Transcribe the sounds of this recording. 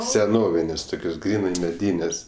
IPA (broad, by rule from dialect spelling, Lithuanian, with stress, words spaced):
sʲɛˈnoːʋʲɪnʲeːsʲ ˈtʊkʲoːs ˈɡrʲiːnɐɪ mʲɛˈdʲiːnʲɛsʲ